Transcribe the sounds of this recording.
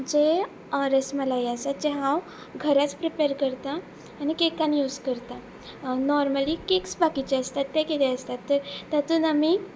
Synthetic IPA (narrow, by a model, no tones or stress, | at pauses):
d͡ʑe | ɾəsməlajasat̪̚d͡ʑɛɦãw | ɡʱəɾat͡spɾipeɾkəɾt̪aː | nikekanjuːskəɾt̪a | nɔɾməlikeksbakit͡ɕeəst̪at̪ːɛkit̪eəst̪at̪ːəɾt̪at̪ũːnami